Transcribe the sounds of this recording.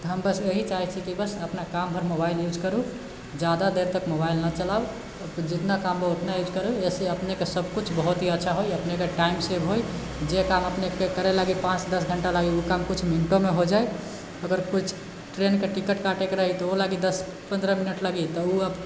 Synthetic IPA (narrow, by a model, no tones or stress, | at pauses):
t̪ɦəmbəseɦit͡ʃaɦɛt͡ʃʰikibəsəpnakampʰəɾmobailjud͡ʒkəɾu | d͡ʒjad̪ad̪eɾt̪əkmobailnət͡ʃəlab | d͡ʒit̪nakambəot̪najud͡ʒʱkəɾueseəpnekesəbʱkut͡ʃʰbəɦut̪ɦiətːʃʰaɦojəpnekeʈaimsebɦoj | d͡ʒekaməpnekekəɾelaɡipãt͡ʃd̪əsɡʱəɳʈalaɡiukamkut͡ʃʰminʈomeɦod͡ʒaj | əɡəɾkut͡ʃʰ | ʈɾenkeʈikəʈkaʈekeɾəɦit̪ɔolaɡid̪əs | pənd̪ɾəminəʈləɡit̪ɔuəb